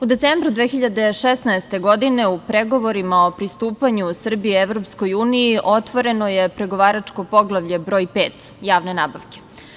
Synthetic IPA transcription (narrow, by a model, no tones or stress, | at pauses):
ud̪et̪seːmbɾud̪ʋexiʎad̪e̞ʃesnaest̪e̞ɡo̞d̪ine̞upɾeɡo̞ʋo̞ɾimao̞pɾist̪uːpaɲusr̩biɛʋɾopsko̞juːnijiʔo̞t̪ʋoɾe̞nojepɾeɡo̞ʋaːɾat͡ʂko̞po̞ɡlˠaʋʎe̞bɾo̞ːjpeːt̪jaːʋne̞naːbaʋke̥